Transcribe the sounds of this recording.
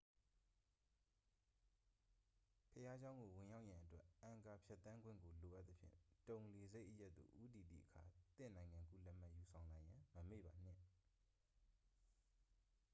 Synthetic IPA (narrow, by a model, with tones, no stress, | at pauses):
pʰəja˦d͡ʑã˦ʊ̃ŋɡo˨wɪ̃˨ja˦ʊʔjã˨ʔətwɛː˦ã˨ka˨pʰjɛ˦t̪ːã˦ŋɡwɪ̃˦˨ŋɡo˨lo˨ʔa˦ʔt̪̚ə˦pʰjɪ̰̃˦˨tõ˨ʊ̃nle˨ze˦ɪʔəja˦ʔt̪ːṵ˨ʔu˦ti˨d̪ḭ˦˨ʔəkʰa̰˨t̪ɪ̰̃˦˨nã˨ɪ̃ŋã˨ŋɡṵ˦˨lɛ˦m̥a˦ʔju˨sʰã˨ʊ̃la˨jã˨məmḛ˦˨ba˨n̥ɪ̰̃˦˨